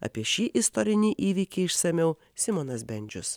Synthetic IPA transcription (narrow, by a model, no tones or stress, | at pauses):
ɐ̰pʲiɛʃʲiːʔɪst̪ɔɾʲɪnʲiːʔiːʋʲiːkʲɛɪɪʃsɐmʲɛʊ | sʲɪmɔnɐsbʲɛnʲd͡ʒʲʊs